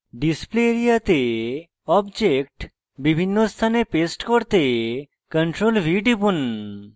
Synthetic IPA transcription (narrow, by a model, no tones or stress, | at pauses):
ɖispleɾijat̪e | ɔbd͡ʒekʈ | bibʱinːost̪ʰanepesʈkoɾt̪e | kəɳʈɾolʋiɖipun